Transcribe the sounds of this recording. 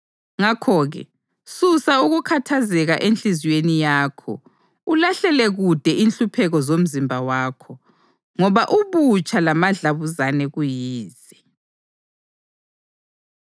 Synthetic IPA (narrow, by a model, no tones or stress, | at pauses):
ŋakʰɔːɣɛ̰ | susauɣukʰatʰazɛɣaʔent͡ɬiziwenijaːkʰɔ̰ | ulaɬɛlɛɣud̥ʱɛʔinɬupʰɛɣɔzom̩zimbʱawaːkʰɔ | ŋɔβaʔuβut͡ʃʰʼalamaɮaβuzanɛɣujiːz̥ | ɛ